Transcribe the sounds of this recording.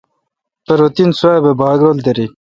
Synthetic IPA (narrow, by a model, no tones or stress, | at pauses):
peɾot̪insubebɑːɡɾold̪eɾi